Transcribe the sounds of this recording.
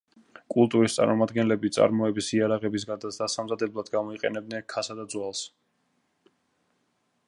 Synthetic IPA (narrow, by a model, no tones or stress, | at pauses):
kʼulˠt̪ʼuɾist̪sʼa̰ɾmɔmad̪ɡɛnlɛbit̪sʼa̰ɾmɔɛbisiaɾaʁɛbisɡad̪asd̪asamzad̪ɛblˠad̪ɡamɔiqʼɛ̰nɛbd̪nɛnkʰasad̪ad̪zwalˠs